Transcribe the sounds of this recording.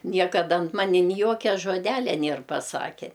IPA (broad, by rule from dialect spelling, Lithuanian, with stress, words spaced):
ˈnʲiɛkɐdɐ ɐnt ˈmɑːnʲɪ nʲɪ ˈjoːkʲɛ ʒoːˈdʲæːlʲɛ ˈnʲeːr pɐˈsɑːkʲɛ